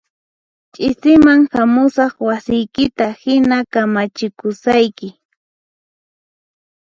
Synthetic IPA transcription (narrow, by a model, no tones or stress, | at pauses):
t͡ʃʼɪsɪmaŋhamʊsɑχwasɪjkɪt̪ahɪnakamat͡ʃɪkʊsajkɪ